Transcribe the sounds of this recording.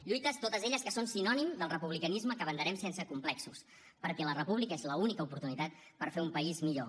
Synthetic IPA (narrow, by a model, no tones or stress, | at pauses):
ʎujt̪əst̪ot̪əzeʎəskəsonsinɔnimd̪əlˠrəpuβlikənizməkəβənd̪əɾɛmsensəkumplɛksus | pəɾkɛlərəpuβlikəezləunikəupuɾt̪unit̪at̪̚ | pəɾfeumpəizmiʎo